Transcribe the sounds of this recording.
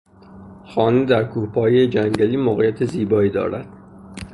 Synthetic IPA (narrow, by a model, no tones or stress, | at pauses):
xɒːned̪æɾkʰuːhpʰɒːjejed͡ʒæŋɟæliːmoɣijæt̪ʰeziːbɒːiːd̪ɒ̰ːɾæ̰d̪̥